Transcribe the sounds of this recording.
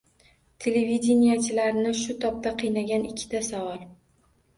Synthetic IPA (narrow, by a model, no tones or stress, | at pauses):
t̪ʰe̞levid̪ʲenijat͡ʃʰɪlaɾɪnɪʃʊt̪ʰɒp̚t̪aqʰɨjnaɡʲanɪkʲʰːɪ̥t̪ʰasavɒlˠ